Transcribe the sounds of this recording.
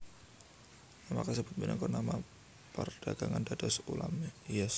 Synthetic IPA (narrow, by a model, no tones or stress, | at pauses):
namakəsəbʊt̪̚minaŋkɔnama | pərd̥aɡ̥aŋandadasulamjas